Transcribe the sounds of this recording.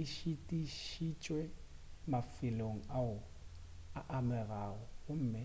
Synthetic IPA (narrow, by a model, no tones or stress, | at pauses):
iʃitʼiʃit͡ʃʼwɛmafɪloŋ̩aʊ | aʔamɛraɣɔɣʊm̩ːmɪ